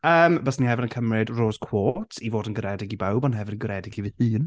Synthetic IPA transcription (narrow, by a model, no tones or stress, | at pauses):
əːmbəsnihɛvɪnənkʰəmrɪdroːz̥kʰw̥oːtʰivoːdənɡəɾɛdɪɡibawbɔnɦɛvɪnənɡəɾɛdɪɡivɨhɨːn